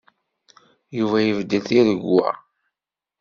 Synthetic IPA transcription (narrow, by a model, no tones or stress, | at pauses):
juvæjəvd̪ːəθiɾəɡːæ̰